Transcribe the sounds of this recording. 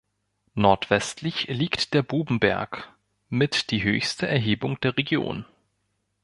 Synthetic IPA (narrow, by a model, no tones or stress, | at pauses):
nɔɐtv̥ɛstʰlɪçliːktd̥eːɐbuːbm̩bɛ̰ɐk | mɪtd̥iːɦø̰ːçstəʔɛɐɦeːbʊŋd̥eːɐʁeɡjo̰ːn